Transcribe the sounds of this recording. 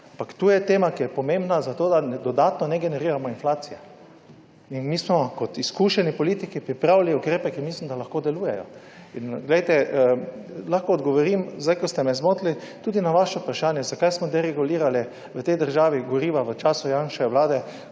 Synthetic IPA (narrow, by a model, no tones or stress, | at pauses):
ampakt̪uːjɛt̪eːmakijɛpɔmẽmbnazat̪oːd̪ad̪ɔd̪aːt̪nɔnɛɡɛnɛɾiːɾamɔinflaːt̪sijɛ | inmiːsmɔkɔt̪iskuʃɛnipɔliːt̪ikipɾipɾawliukɾeːpɛkimislimd̪alaxkoːd̪ɛluːjɛjɔ̰ | inɡlejt̪ɛəlaxkɔːd̪ɡɔʋɔɾimzd̪ajkɔst̪ɛmɛzmoːt̪lit̪uːd̪inaʋaʃɛpɾaʃaːnjɛzakajsmɔd̪ɛɾɛɡuliːɾali | ʋət̪ɛjd̪əɾʒaːʋiɡɔɾiːʋaʋət͡ʃaːsujanʃɛwlaːd̪ɛ